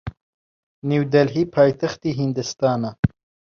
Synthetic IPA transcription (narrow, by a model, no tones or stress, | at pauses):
niwd̪ɐlɦiːpʰɑːjt̪axt̪iɦind̪ɨst̪ɑːna